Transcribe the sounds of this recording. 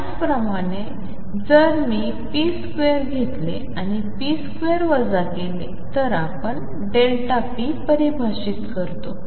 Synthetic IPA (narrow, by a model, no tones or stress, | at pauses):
at͡spɾəmaɽ̃e | d͡zəɾmiː | piskʋeɾɡʱet̪lḛ | aɽ̃ipiskʋeɾʋəd͡zakele | t̪əɾapəɳ | ɖelʈapipəɾibʱaɕit̪kəɾt̪o